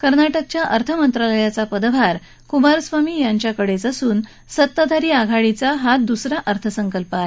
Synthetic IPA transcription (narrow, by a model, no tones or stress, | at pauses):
kəɾnaʈək̚t͡ɕjaʔəɾt̪ʰəmənt̪ɾaləjat͡sapəd̪bʱaɾ | kumaɾsʋamiːjaɲt͡ɕjakəɽet͡səsuːn | sət̪ːad̪ʱaɾiːaɡʱaɭit͡saɦad̪usɾaʔəɾt̪ʰəsəŋkəlpae